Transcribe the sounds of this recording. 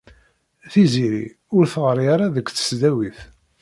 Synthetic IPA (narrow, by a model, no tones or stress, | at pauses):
θiziɾḭ | ʊɾθəʁəɾaɾaðəkʷːθə̥sd̪æwiθ